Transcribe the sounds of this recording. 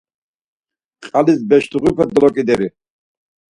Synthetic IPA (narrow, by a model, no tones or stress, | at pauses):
qʼalisbɛʃt̪uʁipʰɛd̪ɔlɔkʼid̪ɛɾi